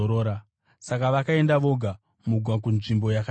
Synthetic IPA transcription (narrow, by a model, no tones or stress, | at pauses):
ɾoːɾa | sakaʋakae̞ndaʋo̞ɡʱa | muɡʱwak̬unʐimbo̞jaka